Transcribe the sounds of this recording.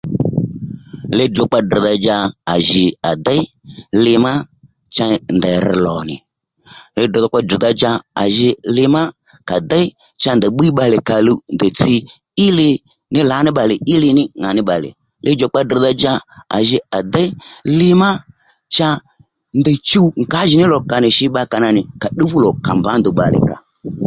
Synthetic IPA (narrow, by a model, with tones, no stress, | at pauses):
lɛ˧dɔ˨k͡pa˧di˨ða˧d͡ʒa˧a˨ʒɪ˨a˨da˦lɪ˧ma˦ | t͡ʃa˧ndɛ˨ɾ̩˧lɔ˨nɪ̰˨ | lɛ˧d̩˨ðɔ˧k͡pa˧di˨ða˧d͡ʒa˧a̰˨ʒɪ˧lɪ˧ma˦ | ka˨da˦i˦ | t͡ʃa˧nd̪ə˨ɓi˦ɓa˧lɪ˨ka˨lu˧ndɛ˨t͡si˧ | ɪ˦lɪ˧ | nɪ˦la˨˦nɪ˦ɓa˨lɪ˨ɪ˦lɪ˧nɪ˦ŋa˨nɪ˦ɓa˨lɪ̰˨ | lʔɪ˦d͡ʒɔ˨k͡pa˧d̩˨ða˧d͡ʒa˧a̰˨ʒɪ˧a˨d̪ɛ˦lɪ˧ma˦ | t͡ʃa˧ | nd̪ə˨t͡ʃu˦ŋ̩˨ka˨˦ʒɪ˨nɪ˦lɔ˨ka˨nɪ˨ʃɪ˧ɓa˧ka˨na˧nɪ˨ka˨ɗi˦vu˦lɔ˨ka˨mba˨˦nd̪u˨ɓa̰˨lɪ̰˨ka̰˨